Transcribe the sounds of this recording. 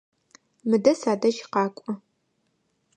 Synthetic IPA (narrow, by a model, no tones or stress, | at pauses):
mɨdɐsaːdɐʒqɑːkʷʼɔ